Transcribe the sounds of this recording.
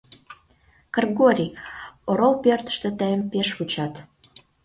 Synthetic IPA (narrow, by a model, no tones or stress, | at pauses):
kɑrɣoɾʲioɾolpørt̪ə̥̆ʃt̪ə̆t̪əjəmpeʃβut͡ɕɑt̪